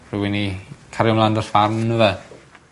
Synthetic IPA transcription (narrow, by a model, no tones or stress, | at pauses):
r̥ɨwɛnikʰaɾjɔmlˠandɔrfarnnəvɛ